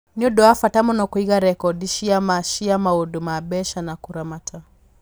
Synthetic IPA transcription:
niɔɗɔafatamɔnɔkwiɣaɾɛkɔdiʃiamaʃiamaɔdumabɛʃanakuɾamatʰa

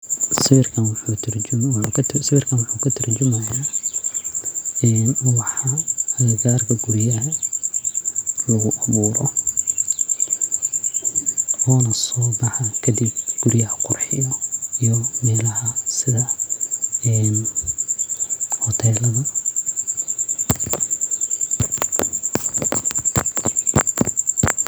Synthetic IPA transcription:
sɪβɪrkʰɐnwut̪ʰɐrwk̪ʰsɪβɪrkʰɐnwʊħukʰɐt̪ʰɐrd͡ʒʊmɐjaː | ɛːnwɑħɑhɐlɐɡaːrkʰɐɡʊɾjɐɦɐ | lɐɣʊʔɐβuːɾɔ | ɔːnɐsɔːbɑħɑkʰɐd̪ibɡ̥ʊɾjɐhɐqʊrħɪjɔijɔmɛːlɐɦɐsɪðɐ | ɛːn | hɔt̪ʰɛːlɐðɐ

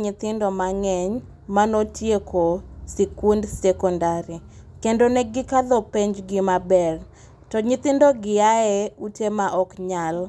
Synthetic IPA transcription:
ɲɪt̪ɪndɔmaŋɛɲ | manotjekʰosikundsɛkɔndaɾi | kendoneɡɪkad̪opeɲd͡ʒɡɪmabɛr | tɔɲɪt̪ɪndoɡɪaɛutemaʔɔkɲal

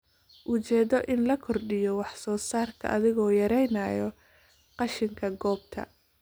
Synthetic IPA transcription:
ʔʊt͡ʃɛːðɔʔɪnlɐkʰɔrɖɪjɔwɑħsɔːsaːrkʰɐ̰ʔɐðɪɣɔːjɐɾɛjnaːjɔ | qɑʃɪŋkʰɐɡɔːb̚t̪ʰɐ̰

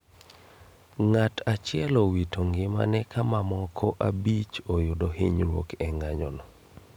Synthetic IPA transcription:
ŋatʰat͡ʃɪɛlowitoŋɡɪma̰nɛkʰamamɔkʰɔʔabit͡ʃojʊdɔhɪɲɾwo̰kɛŋaɲɔnɔ

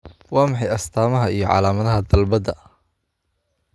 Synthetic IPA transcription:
wɑːmɑħɑjɐst̪ʰaːmɐɦɐijɞʕɑ̰ːlaːmɐðɐɦɐd̪ɐlbɐd̪ɐ

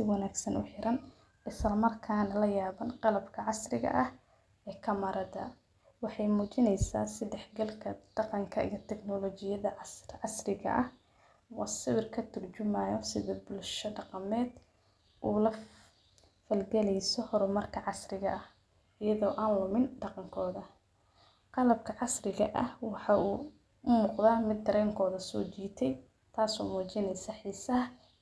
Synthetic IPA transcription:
sɪwɑnaːɡsɐnʊħɪɾɐn | ɪslɐmɐrkʰaːnɐlɐjaːβɐnqɑlɐbkʰɐʕɑsrɪɣɐ̰ʔɐh | ɛːkʰɐmɐɾɐd̪ɐ̰ | wɑħɑjmuːt͡ʃɪnɛjsa̰ːsɪd̪ɛħɡɐlkʰɐd̪̥ɑqɑŋkʰɐʔḭjɞt̪ʰɛɡnɔlɔːt͡ʃɪjɐðɐʕɑsrɪɣɐ̰ʔɐh | wɑsɪwɪrkʰɐt̪ʰʊrt͡ʃʊmaːjɔsɪðɔbʊlʃɔɖɑqɑmɛːd̪ | ʔuːlɐ | fɐlɡɛlɛjsɔhɔɾʊmɐrkʰɐʕɑsrɪɣɐʔɐh | ɪjɐðɔːʔaːnlʊmɪnɖɑqɑŋkʰɔːðɐ | qɑlɐb̚kʰɐʕɑsrɪɣɐ̰ʔɐhwɑħɑːuː | ʊmuːqðaːmɪd̪̚ɐɾɛːŋkʰɔːðɐsɔ̰ːt͡ʃiːt̪ʰɛj | t̪ʰaːsɔ̰ːmuːt͡ʃɪnɛjsɐħiːsɐɦ

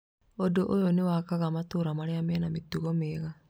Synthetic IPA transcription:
odoʔojonewakaɣamatoɾamaɾeamɛnametuɣomeːɣa

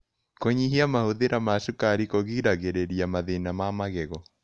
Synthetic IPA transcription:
koɲiɦiamahoðeɾamaʃukaɾikoɣiːɾaɣeɾeɾiamaðenamamaɣɛɣɔ

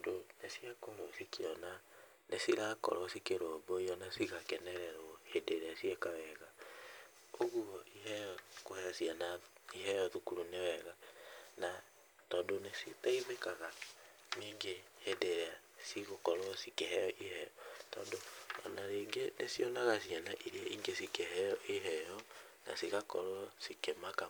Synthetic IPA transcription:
donesiakoɾosikiɔna | nesiɾakɔ̰ɾɔsikeɾoboiɔnasiɣakɛnɛɾɛɾoɔhedeɾɛasiekawɛɣa | oɣuɔʔihɛjɔkohɛsianaiɦɛjɔðukuɾunewɛɣana | tɔːndonesitaiðekaɣa | miːŋɡehedeɾea | siɣokɔɾoɔsikeɦɛjɔʔihɛjɔtɔːndoɔ̰naɾeːŋɡenesijɔnaɣasianaʔiɾiaiːŋɡesikehɛɔʔiɦɛjɔ | na̰siɣakɔ̰ɾoɔsikemaka

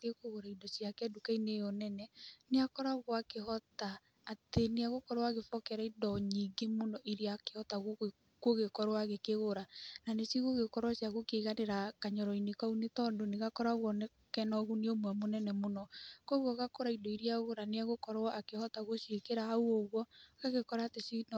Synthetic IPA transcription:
tekoɣoɾaidɔsjakɛdukainejonɛnɛneakɔɾaɣwɔakehɔtaː | teneaɣokɔɾowaɣefɔkɛɾaidɔɲiɡemonɔʔiɾiakehɔtaɣo | koɣekɔɾwaɣekeɣoɾananesiɣoɣekɔɾwasjaɣokeːɣaneɾakaɲɔɾɔinekaunetɔndoneɣakɔɾaɣwɔnɛ | kɛnɔɣuneomwɛmonɛnɛmonɔkɔɣwɔɣakoɾaidɔiɾiaɣoɾaneaɣokɔɾɔʔakehɔtaɣoʃekeɾahauoɣwɔɣaɣekɔɾaːtesin

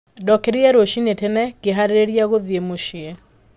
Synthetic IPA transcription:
dɔkeɾiɛɾoʃinetenɛkeɦaɾeɾeɾjaɣoðjemoʃiɛ

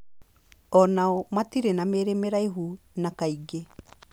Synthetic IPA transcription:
ɔnaɔmatiɾenameːɾemeɾaiɦu | nakaiɡe

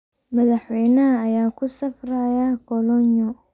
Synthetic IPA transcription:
mɐðɐħwɛjnɐɦɐːjaːkʰʊsɐfrajakʰɔlɔɲɔ

